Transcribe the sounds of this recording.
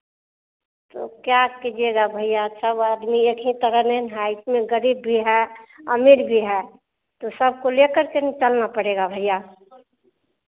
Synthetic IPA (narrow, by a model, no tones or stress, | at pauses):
t̪o̰kjakid͡ʒeɡabʱəijasəbəd̪miekʰĩt̪əɾənenɦɛɪsmẽɡəɾiːbːʱiɦɛəmiɾbʱiɦɛ | t̪osəb̚ʱkolekəɾkenit͡ʃəlnapəɽeɡabʱəjːa